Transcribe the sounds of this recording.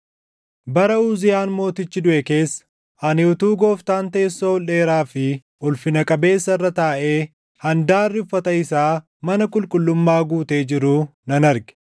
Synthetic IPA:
bɐɾɐuːzɪjaːnmo̞ːt̪ɪt͡ʃːɪd̪ʊʔɛke̞ːsːɐ̥ | ɐnɪʊt̪uːɡo̞ːft̪aːnt̪eːsːoɔlːe̞ːɾaːfɪ | ʔʊlfɪnɐkʼɐbe̞ːsːɐɪrːɐt̪aːʔe̞ː | hɐnd̪aːrːɪfːɐt̪ɐɪsaː | mɐnɐkʼʊlkʼʊlːʊmːaːɡuːt̪e̞ːd͡ʒɪɾuːnɐnɐɾɡɛ̥

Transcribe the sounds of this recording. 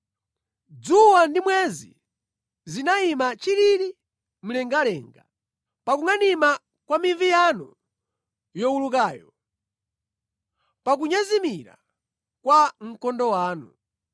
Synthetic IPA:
d͡zuwandimwɛzḭ | zinaimat͡ʃiɾiɾi | m̩lɛŋɡalɛŋɡa | pakuŋanima | kwamiɱvijanu | jɔuluk̬aːjɔ | pak̬uɲazimiɾa̰ | kwaŋ̩kɔndɔwaːnu

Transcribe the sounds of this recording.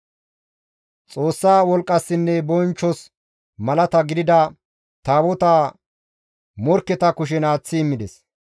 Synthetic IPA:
t͡sʼoːsːaːwɔlkʼːɐsːɪnːɛbɔjnt͡ʃːɔs | mɐlɐt̪ɐɡɪd̪ɪd̪ɐ | t̪aːwɔt̪aː | mɔɾkːɛt̪ɐkʊʃ̬ɛnaːt͡sːɪːmːɪd̪ɛs

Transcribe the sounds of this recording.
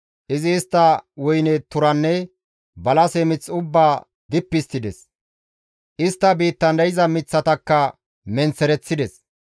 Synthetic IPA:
ʔɪzɪːst̪ːɐwʊjnɛt̪ʊɾɐnːɛ | bɐlɐsɛmɪt͡sːʊbːaː | d̪ɪpːɪst̪ːɪd̪ɛs | ʔɪst̪ːɐbiːt̪ːɐnd̪ɐjɪzɐmɪt͡sːɐt̪ɐkːɐ | mɛnt͡sːɛɾɛt͡sːɪd̪ɛs

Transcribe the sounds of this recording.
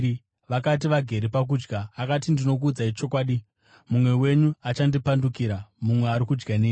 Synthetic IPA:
ʋakat̬iʋaɡʱe̞ɾepak̬ud͡ʒɡaːkat̬indino̞k̬uːd͡zait͡ʃo̞kwaːɗi | mumwe̞we̞ɲuat͡ʃandipandukiːɾamumwe̞aɾikud͡ʒɡaneː

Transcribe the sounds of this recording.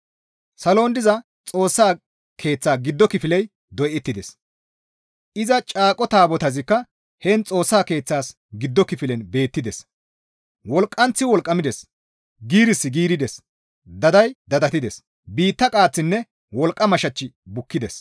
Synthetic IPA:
sɐlo̞ːnd̪ɪzɐ | t͡sʼo̞ːsːaː | kʰe̞ːt͡sːaːɡɪd̪ːɔkɪfɪlɛj | d̪ɔjɛt̪ːɪd̪ɛs | ʔɪzɐt͡ʃʼaːkʼɔt̪aːbɔt̪ɐzɪkːɐ | hɛnt͡sʼo̞ːsːaːke̞ːt͡sːaːs | ɡɪd̪ːɔkɪfɪlɛnbe̞ːt̪ːɪd̪ɛs | wɔlkʼːɐnt͡sːɪwɔlkʼːɐmɪd̪ɛs | ɡiːɾɪsːɪɡiːɾɪd̪ɛs | d̪ɐd̪ɐjd̪ɐd̪ɐt̪ɪd̪ɛs | biːt̪ːɐkʼaːt͡sːɪnːɛ | wɔlkʼːɐmɐʃɐt͡ʃːɪ | bʊkːɪd̪ɛs

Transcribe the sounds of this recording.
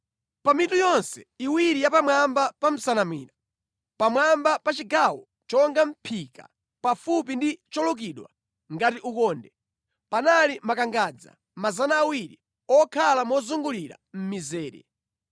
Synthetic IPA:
pamitujɔnsɛiwiɾijapamwambapam̩sanamwiːna | pamwambapat͡ʃiɡawɔ | t͡ʃɔŋɡam̩pʰika̰ | pafup̬indit͡ʃɔlɔk̬iɗwa̰ | ŋɡatiʔukɔːndɛ | panalimakaŋɡaːd͡za̰ | mazanaːwiɾi | ɔkʰalamɔzuŋɡuliɾa̰m̩mizɛːɾɛ̰

